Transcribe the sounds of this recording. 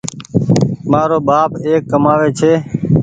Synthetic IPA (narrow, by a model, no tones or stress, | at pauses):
maːɾoːɓaːpeːkːəmaːʋeːt͡ʃʰeː